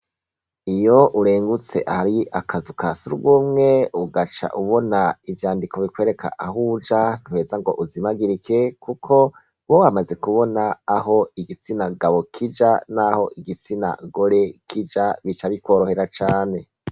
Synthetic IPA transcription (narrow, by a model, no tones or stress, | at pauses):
ijo̞ʔuɾe̞ːŋɡut͡se̞̰ʔahaɾiakʰazukasuɾɡumŋe̞uɡat͡ʃa̰ʔuβo̞naivjaːndiko̞βikwe̞ːɾe̞kʰa̰ʔaɦud͡ʒan̥uhe̞zaŋɡo̞̰ʔuzimaɡiɾikʰekukʰo̞ | wohamaze̞kuβo̞naːɦo̞iɡit͡sinaɡaβo̞kʰid͡ʒanaho̞ʔiɡit͡sina̰ɡo̞ɾe̞kʰid͡ʒaβit͡ʃaβikwo̞ːɾo̞heɾat͡ʃaːne̞